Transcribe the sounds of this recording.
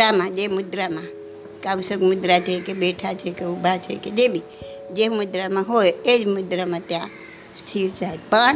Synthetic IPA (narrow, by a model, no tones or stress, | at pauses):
amẽd͡ʒemud̪ɾamẽ | kabsəɡmud̪ɾat͡ʃʰəkebeʈʰat͡ʃʰekeubʱat͡ʃʰḛked͡ʒebʱi | d͡ʒemud̪ɾameɦojed͡ʒmud̪ɾamẽt̪jã | st̪ʰiɾt͡ʃaipə